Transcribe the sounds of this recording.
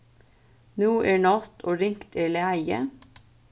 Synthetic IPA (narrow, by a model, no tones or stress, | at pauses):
nuːʔeːɳɑt̪ʰoːɾɪŋkt̪ʰeːɭeæɪə